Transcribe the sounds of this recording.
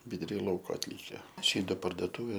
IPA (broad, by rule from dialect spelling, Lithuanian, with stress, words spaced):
ʋʲɪdʊˈrʲiː ˈlˠɐʊkoː ɐtʲˈlʲiːkʲɛ ˈt͡ʃʲɪ doː pɐrdoːˈtuːʋʲeː